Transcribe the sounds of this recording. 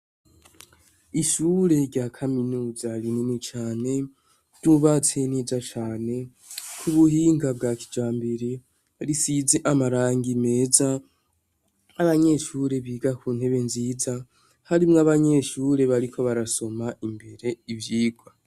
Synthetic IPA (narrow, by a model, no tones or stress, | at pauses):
iʃuɾe̞ɾɟaːkʰaminuːzaɾinumit͡ʃaːne̞ | juβat͡seneːzat͡ʃaːne̞ | kʰuβuɦiːŋɡabɡaki̥d͡ʒaːmbiɾe | aɾisize̞ʔamaɾaːŋɡime̞ːza | aβaɲe̞ʃuːɾe̞βiːɡakuːn̥he̞βe̞nziːza | haɾimŋaβaɲe̞ʃuːɾe̞βaɾikʰo̞βaɾaso̞maʔimbe̞ɾe̞ivjiːɡwa